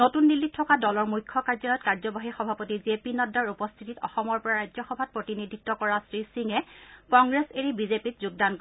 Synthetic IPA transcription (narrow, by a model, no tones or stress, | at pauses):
notunːilːit̚tʰːɔkadɔlɔɹmujkʰːɔkaɹzɔlɔtkaɹzɔbaɦixɔbʱapotiziepinɔdaɹupɔstʰititɔ̰xɔmɔɹpɔɹaɹajzɔxɔbʱat̚pɹotinidʱitːɔkɔɹasɹisiŋɛkɔŋɡɹeseɹibizepitzuɡ̚dank